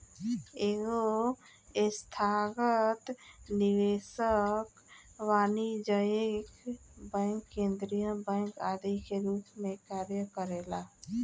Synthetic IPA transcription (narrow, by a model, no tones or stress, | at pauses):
eɡo | ɪst̪ʰaːɡət̪nɪʋeːʃək | waːnid͡ʒəekbɛ̃ŋkːẽːnd̪ɾijəbɛ̃ːŋkaːd̪ikeɾuːpmẽkaːɾjəkəɾeːla